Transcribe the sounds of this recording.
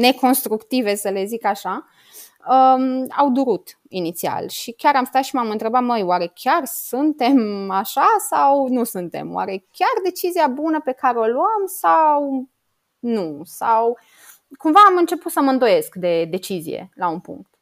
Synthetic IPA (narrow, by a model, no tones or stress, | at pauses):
ne̞ko̞nst̪ɾukt̪ive̞səle̞zikaʃa | əa̰wd̪uɾut̪ | init̪sia̰lʃikʲaɾamst̪at̪ʃimamɨnt̪ɾe̞bat̪məjwaɾe̞kʲarsunt̪e̞maʃasawnusunt̪e̞̰mw̰a̰ɾe̞kʲard̪e̞t͡ʃiziabunəpe̞kaɾeo̞luamsaw | nusaw | kumvaːmɨnt͡ʃe̞put̪səməɨnd̪o̞je̞skd̪e̞d̪e̞t͡ʃizḭjḛlaunpṵŋk̚t̪